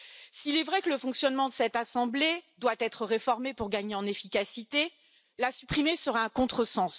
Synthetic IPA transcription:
siːlɛvʁɛkələfɔ̃ksjɔnmɑ̃d̪əsɛt̪asɑ̃bled̪wat̪ɛt̪χəʁefɔʁmepuʁɡaɲeɑ̃nefikʲasit̪e | lasypχimesəʁaɛ̃kɔ̃t̪χəsɑ̃s

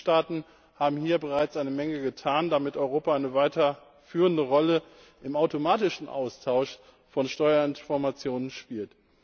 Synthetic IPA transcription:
ʃtaːtn̩ | haːbm̩hiːɐbəʁ̞aɪt͡sʔaɪnəmɛŋəɡətʰaːndamɪtʔɔʏʁoːpaaɪnəvaɪtɐ | fyːʁ̞əndəʁɔlə | ʔɪmaʊtomaːtɪʃn̩ʔa̰ʊstʰaʊʃ | fɔnʃtɔʏɐɪnfɔɐmat͡sjoːnənʃpiːlt

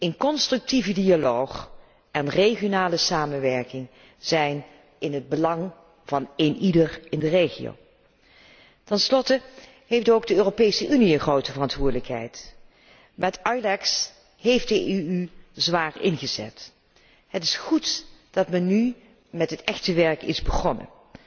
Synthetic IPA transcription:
ənkɔnstrʏk̚tivədialowχ | ʔɛnreχijonaːləsaːmənʋɛɹkɪŋ | zɛjn | ɪnɦəd̚bəlɑŋ | v̥ɑnenidərɪndərejχḭo̰w | tɛnslɔtə | ɦeftowɡ̚dəøːropejsəʔyniənχrowtəvərɑntʋʊːɹdələkɦɛ̰jt | mɛtɑjlɛks | ɦejftdəyyzʋaːɹɪnχəzɛ̰t | ɦətɪ̥sχutd̥ɑtmɛnːy | mɛtɦətɛχtəʋɛɹkɪ̰zbəχɔnə̰

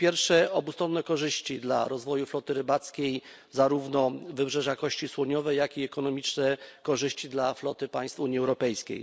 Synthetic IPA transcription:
pʲjɛɾfʂɛɔbust̪ɾɔnːɛkɔʐɘɕt͡ɕid̪la̰ɾɔzvɔjuflɔt̪ɘɾɘbat̪skʲej | zaɾuvnɔvɘbʐɛʐakɔɕt͡ɕiswɔɲɔvɛjakiɛkɔnɔmʲit͡ʂnɛkɔʐɘɕt͡ɕid̪laflɔt̪ɘpaj̃st̪fuɲiɛwɾɔpɛjskʲḛj

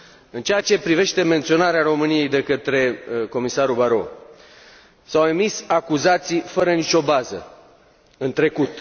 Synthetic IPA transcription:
ɨnt͡ʃeat͡ʃe̞pɾive̞ʃt̪e̞me̞nt̪sio̞naɾearo̞mɨnije̞jd̪e̞kət̪ɾe̞ko̞misaɾubaɾo̞̰ | sawe̞misakuzat̪sijfəɾənit͡ʃo̞bazə̰ | ɨnt̪ɾe̞kut̪

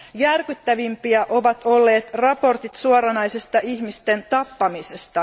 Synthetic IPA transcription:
jærkyt̪ːæʋimpiæʔo̞ʋɑt̪o̞lːe̞ːt̪rɑpo̞rt̪it̪suoɾɑnɑjsest̪ɑiçmist̪e̞nt̪ɑpːɑmisest̪ɑ

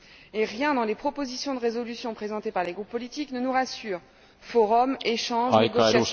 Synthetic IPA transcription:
eʁjɛ̃d̪ɑ̃lepχɔpozisjɔ̃d̪əʁezɔlysjɔ̃pχezɑ̃t̪epaʁleɡʁupːɔlit̪iknənuʁasyːʁ | fɔʁɔmeʃɑ̃ʒeɡɔsja

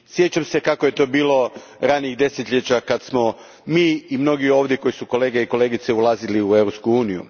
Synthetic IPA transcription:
sje̞t͡ɕamse̞kakoje̞t̪o̞biːlˠo̞ | ɾaːniiɣd̪e̞set̪ʎet͡ɕakad̪smo̞ | miːimno̞ɡio̞ːʋd̪jeko̞jisuko̞le̞ːɡeiko̞le̞ːɡit̪seulaziliuevɾopskuuːnijṵ

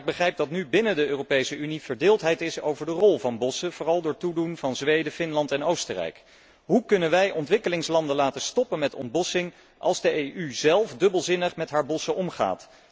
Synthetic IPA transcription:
ɪɡ̚bəχrɛjp̚dɑtnybɪnədəøːropejsəyniv̥əɹdɪːlˠtɦɛjtɪso̰wvəɹdərɔlˠvɑnbɔsəv̥ʊːrɑlˠdʊːɹtudunvɑnzʋejdəfɪnlɑntɛnowstərɛ̰jk | ɦukɵnənʋɛjʔɔntʋɪkəlɪŋslɑndəlaːtəstɔpənmɛtɔ̰nt̚bɔsɪŋ | ʔɑ̰lˠzdəejʔyzɛlˠfdɵbəlˠzɪnəχmɛtɦaːɹbɔsəʔɔmχa̰ːt

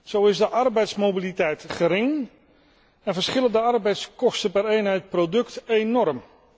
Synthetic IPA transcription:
z̥owɪzdəʔɑrbɛjtsmobilitɛjtχəɾɪŋ | ɛnvəɹsχɪləndəɑɹbɛjtskɔstəpɛɾejnɦɛjt̚prodɵktejnɔɹm

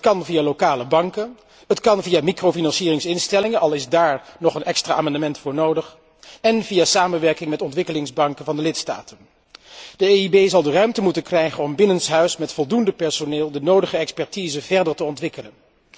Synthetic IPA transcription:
tkɑnvijaːlowkaːləbɑŋkə | ɦətkɑnvijaːmikrowfinɑnsiːrɪŋsɪnstɛlɪŋəʔɑlˠɪzdaːɹnɔχənʔɛkstraːʔaːmɑndəmɛntfʊːɹnowdəχ | ɛnvijaːsaːmənʋɛɹkɪŋmɛtɔntʋɪkəlɪŋzbɑŋkənvɑndəlɪtsta̰ːtən | d̥əeibejzɑlˠdərœɥmtəmutənkrɛjχənɔmbɪnənsɦœɥsmɛtfɔlˠdundəpɛɹsonɪːlˠdənowdəχəɛkspɛɹtiːzəvɛɹdəɹtəɔntʋɪkələn

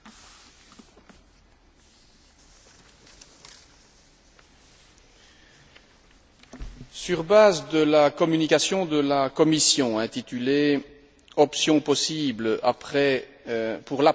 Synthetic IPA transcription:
syʁbaːzd̪əlakɔmynikasjɔ̃d̪əlakɔmisjɔ̃ɛ̃t̪it̪yle | ɔpsjɔ̃pɔsiːbləapχɛ | puʁla

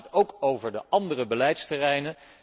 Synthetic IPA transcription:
towkowvəɹdəʔɑndərəbəlɛjtstərɛjnə

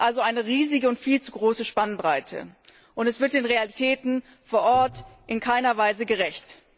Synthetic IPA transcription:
ʔalzoʔaɪnəʁiːzɪɡəʊntfiːlt͡suɡʁoːsəʃpanbʁaɪtʰə̰ | ʔʊntɛsv̥ɪɐtd̥eːnʁealitʰɛːtn̩ | foːɐʔɔɐtʔɪnkʰaɪnɐvaɪzəɡəʁɛçt

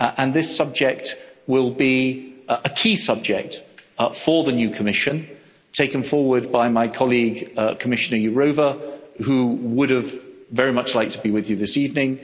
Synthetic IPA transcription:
ʔə̃nðɪsʌb̚d͡ʒɛk̚t̚wɪlˠbiəkʰiːsʌb̚d͡ʒɛk̚tfə˞ðənjʉkʰəmɪʃɨ̃n | tʰeɪkə̃nfɔːwə˞d̚baɪmaɪkʰɑlˠiɡkʰəmɪʃɨnə˞jɨɹoʊvəhuwʊɾɨvːɛɹimʌt͡ʃlaɪk̚tʰəbiwɪðjɨðɪsivnɪ̃ŋ

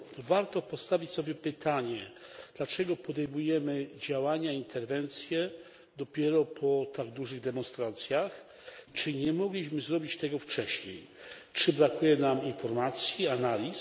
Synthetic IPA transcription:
vaɾt̪ɔpɔst̪avʲit͡ɕsɔbʲjɛpɘt̪ʰaɲɛd̪̥lat͡ʂɛɡɔpɔd̪ɛjmujɛmɘd͡ʑawaɲaiint̪ʰɛɾvɛnt̪sʲjɛ | d̪ɔpʲjɛɾɔpʰɔt̪aɡd̪uʐɘɣd̪ɛmɔ̃nst̪ɾat̪sʲjax | t͡ʂɘɲɛmɔɡlʲiɕmɘzɾɔbʲit͡ɕt̪ɛɡɔft͡ʂɛɕɲej | t͡ʂɘbɾakujɛnaminfɔɾmat̪sʲjianalʲis

